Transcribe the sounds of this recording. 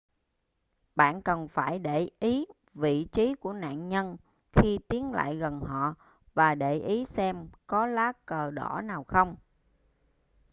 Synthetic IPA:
ɓa̰ː˧˨nkə˨˩nfaː˧˩jɗe˧˩ʔi˨˦ | vḭ˧˨t͡ɕi˨˦ku˧˩əna̰ː˧˨nɲə˧n | xi˧t̪i˨˦ənla̰ː˧˨jɣə˨˩nhɔ̰˧˨ | vaː˨˩ɗe˧˩ʔi˨˦sɛ˧mkɔ˨˦laː˨˦˥kəː˨˩ɗɔ˧˩naː˨˩wxə˧wŋ͡m

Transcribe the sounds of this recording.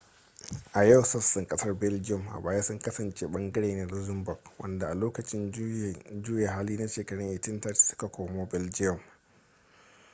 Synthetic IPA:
ʔa˨jɐ˦˨wsɐ˦sɪ˨ŋkʼɐ˦sɐ˦rbɛ˦ld͡ʒɪ˦jɔ˨mʔa̰˨baː˨˦ja˦sʊ˦ŋkɐ˦sɐ˨nt͡ʃʼeː˦ɓɐ˦ŋɡɐ˦ɽeː˨neː˨lʊ˦zɪ˦mbʊ˨kwʔɐ̰˦nda˨ʔa˨loː˦kɐ˨t͡ʃʼɪ˦n | d͡ʒuː˦ja˨ɦaː˦liː˦na˦ʃeː˨kɐ˨ɽɪ˦ŋʔɪ˨tɪ˦ntɐ˦tsʊ̥˦ka˨kʷoː˨moː˦bɪ˦ld͡ʒɪ˦jɔ˨m

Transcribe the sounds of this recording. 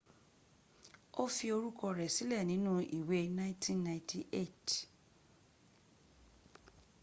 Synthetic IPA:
o˦fi˧o˧ɾu˦kɔ˧ɾɛ˨si˨˦lɛ˦˨nĩ˨˦nũ˦ḭ˨we˨˦nã˦ĩ˦tʰĩ˦nːã˨ĩ˦tʰi˨ʔe˦˨t

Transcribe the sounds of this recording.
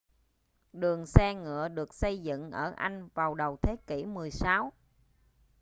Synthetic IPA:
ɗɨ˨˩əŋsɛ˧ŋɨ̰˧˨əɗɨ˨˩ək̚sə˧jzɨ̰˧˨ŋʔəː˧˩ʔa˧jŋ̟vaː˨˩wɗə˨˩wt̪ʰe˨˦ki˧˩mɨ˨˩əjsaː˨˦w

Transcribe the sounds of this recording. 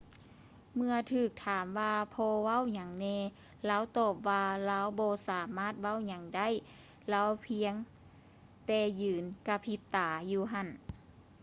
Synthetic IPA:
mɯ˧ət̪ʰɯː˧˨˩k̚t̪ʰaː˨˦mʋaː˧pʰɔː˧ʋa˥˨wɲa˨˩˦ŋnɛː˧ | laː˧˥wt̪ɔː˧˩p̚waː˧laː˧˥wbɔː˧saː˨˦maː˥˨t̪̚wa˧˥˩wɲa˨˩ŋda˥˨j | la˧˥wpʰi˧əŋ | t̪ɛː˧˩jɯː˨˦nka˧˥pʰi˧˦p̚t̪aː˨˦juː˧ɦa˧˥˨n

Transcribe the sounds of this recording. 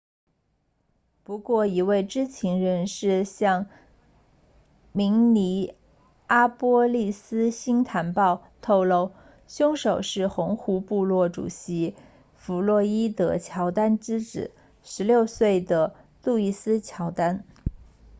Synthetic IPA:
pu˧˥kwɔ˥˩i˧˥we˥˩ɪʈ͡ʂɻ̩˥t͡ɕʰi˧˥ŋɻə˧˥nʂɻ̩˥˧ɕjɑ˥˩ŋ | mi˧˥ŋni˧˥ | a˥pwɔ˥li˥˩sɹ̩˥ɕi˥ŋt̪ʰa˧˥npɑ˥˧ʊ | t̪ʰo˥˧ʊlo˥˧ʊ | ɕjʊ˥ŋʂo˨˩ʊʂɻ̩˥˩xʊ˧˥ŋxu˧˥pu˥˧lwɔ˥˩ʈ͡ʂṵ˨˩ɕi˧˥ | fu˧˥lwɔ˥˩i˥d̪ə˥t͡ɕʰjɑ˧˥ʊt̪a˥nʈ͡ʂɻ̩˥ʈ͡ʂɻ̩˨˩˦ | ʂɻ̩˧˥ljo˥˧ʊswe˥˩ɪd̪ə˩ | t̪u˥˧i˥˩sɹ̩˥t͡ɕʰjɑ˧˥ʊt̪a˥n

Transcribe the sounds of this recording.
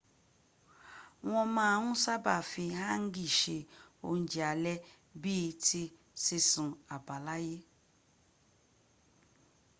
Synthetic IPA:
w̃ɔ̃˧mãː˦˧˦ũ˦sa˦ba˦˨fĩ˧ɦa˦ŋ̩˦ɡi˦˨ʃe˧o̰˧n̩˨˦d͡ʒi˨a˨lɛ˦ | bi˦˧ti˧ | si˧sũ˨a˨ba˨la˦je˦

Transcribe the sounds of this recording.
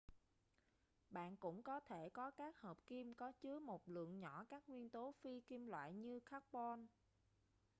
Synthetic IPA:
ɓa̰ː˧˨nkʊ̰˧˥ŋ͡mkɔ˨˦t̪ʰe˧˩kɔ˨˦kaː˦˥k̚həː˨˩p̚ki˧mkɔ˨˦t͡ɕɨ˨˦əmo˨˩t̚lɨ̰˧˨əŋɲɔ˧˩kaː˦˥k̚ŋwi˧ənt̪o˨˦fi˧ki˧mlwa̰ː˧˨jɲɨ˧xaː˦˥k̚pɔ˧n

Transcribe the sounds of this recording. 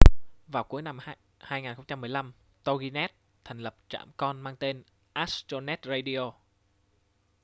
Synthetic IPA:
vaː˨˩wku˨˦əjna˧m | haː˧jŋaː˨˩nxə˧ŋ͡mt͡ɕa˧mːɨ˨˩əjla˧m | t̪o˧ɣi˧nɛ˦˥t̚ | t̪ʰɛ˨˩jŋ̟lə˨˩p̚t͡ɕa̰ː˧˩mkɔ˧nmaː˧ŋt̪e˧n | ʔa˦˥st̪o˧nɛ˦˥t̚ze˧ɗi˧o˧

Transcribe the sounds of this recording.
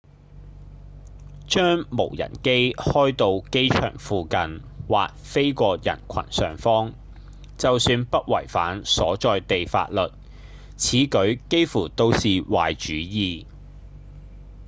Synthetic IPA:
t͡ʃœː˥ŋmo˨˩wjɐ̰˨˩nke˥jhɔː˥jt̪o˧wke˥jt͡ʃʰœ̰ː˨˩ŋfuː˧kɐ˨n | wa̰ː˨k̚fe˥jkʷɔː˧jɐ̰˨˩nkʷʰɐ̰˨˩nsœː˨ŋfɔː˥ŋ | t͡sɐ˨wsyː˧npɐ˥t̚wɐ̰˨˩jfaː˨˥nsɔː˨˥t͡ʃɔː˨˧jt̪e˨jfa̰ː˧t̚lɵ˨t̚ | t͡sʰiː˨˥kɵ˨˥ɥke˥jfuː˨˩t̪o˥wsiː˨wa̰ː˨jt͡ʃyː˨˥jiː˧

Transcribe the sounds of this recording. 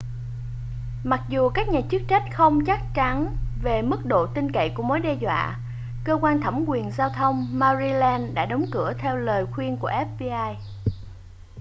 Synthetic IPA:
ma˨˩k̚zu˨˩kaː˦˥k̚ɲaː˨˩t͡ɕɨ˦˥k̚t͡ɕa˦˥t̟̚xə˧wŋ͡mt͡ɕa˦˥k̚t͡ɕa˨˦nve˨˩mɨ˦˥k̚ɗo̰˧˨t̪ï˧ŋkə̰˧˨jku˧˩əmo˨˦jɗɛ˧zwa̰ː˧˨ | kəː˧kwaː˧nt̪ʰa˧˩mkwi˨˩ənzaː˧wt̪ʰə˧wŋ͡mmaː˧zi˧lɛ˧nɗa̰ː˧˥ɗə˨˦wŋ͡mkɨ˧˩ət̪ʰɛ˧wləː˨˩jxwi˧ənku˧˩əʔɛ˦˥p̚vi˧ʔaː˧j

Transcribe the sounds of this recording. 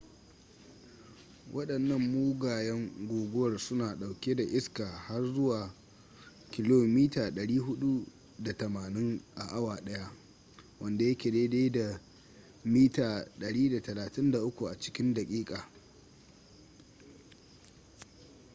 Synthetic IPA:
wʔɐ˦ɗɐ˨nːɐ˦˨mːuː˦ɡaː˨jɛ˦ŋɡʷoː˨ɡʷʊ˦wɐ˨rsʊ˦naː˨ɗa˨wkʲe˦da˨ʔɪ˦skaː˨ha˦rzʊ˦waː˨ | kʲɪ˦loː˨miː˦taː˨ɗɐ˨ɽiː˦ɦʊ˦ɗu˦ | da˨tɐ˨maː˨nɪ˦ŋʔa˨ʔa˦waː˨ɗɐ˦ja˦ | wɐ˦nda˨jɐ˦kʲe˨de˦deː˦jda˨ | miː˦taː˨ɗɐ˨ɽiː˦da˨tɐ˨laː˨tɪ˦nda˨ʔʊ˦kʷu˨ʔa˨t͡ʃɪ̥˦kʲɪ˦nda˨kʲʼiː˦kʼaː˨

